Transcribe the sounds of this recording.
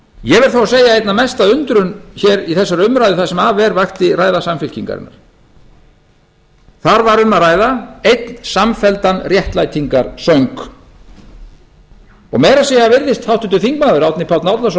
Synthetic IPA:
jɛvɛɾ̥θawaseːjaejt̪namɛst̪aðʏnt̪ɾʏnçɛɾiθɛsːaɾʏmɾajðʏθasɛmavɛɾvaxt̪ɪraːjðasamfɪl̥ciŋka̰ɾɪ̰nːa̰ɾ̥ | θaɾvaɾʏnːaraːjðaejt̪nsamfɛlt̪anrjɛht̪lajt̪ʰiŋkaɾsœŋk | ɔ̰ɣmɛɾasɛjavɪɾðɪst̪hawht̪ʏnt̪ʏθiŋkmaːðʏɾawt̪nɪpʰawt̪nawt̪las

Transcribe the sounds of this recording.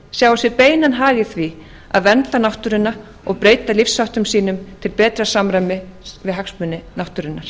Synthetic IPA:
sjaːwasɪɾpeːjnanɦaːɣɪθvi | a̰ðvɛnt̪lanawht̪ʏɾɪnːa | ɔɣpɾeːjt̪alifsːawht̪ʏmsiːnʏmt̪ʰɪlpɛːt̪ɾasamɾajmɪvɪðɦaksmʏnːɪnawht̪ʏɾɪnːaɾ̥

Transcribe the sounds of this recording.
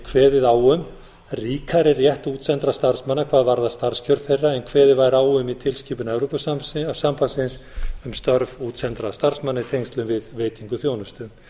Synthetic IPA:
kʰvɛːðɪðaːwʏm | riːkʰaɾɪrjɛht̪uːt̪sɛnt̪ɾast̪aɾ̥smanːakʰvaːðvaɾðast̪aɾ̥scʰœɾð̥θejrːaɛnkʰvɛːðɪvaːjɾaːwʏmit̪ʰɪlsciːpʏnɛvɾopʏssampasɪnsʏmst̪œɾvuːt̪sɛnt̪ɾast̪aɾ̥smanːɪt̪ʰejŋst̪lʏmvɪðveːjt̪iŋkʏθjoːwnʏst̪ʏm

